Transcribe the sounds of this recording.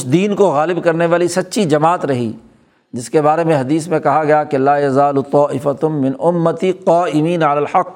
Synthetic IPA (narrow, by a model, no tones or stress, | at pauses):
ʊsd̪iːnkoɣaːlɪbkɐɾneʋaːlisɐtːʃʰid͡ʒɐmaːt̪ɾɐɦḭː | d͡ʒɪskebaːɾemẽɦɐd̪iːs̬mẽkɐɦaɡɐjakelaːjɐzaːlut̪ˤɑːʔɪfɐt̪mɪ̃nʊmːɐt̪iqaːʔɪmiːnɐlaːlħɐqː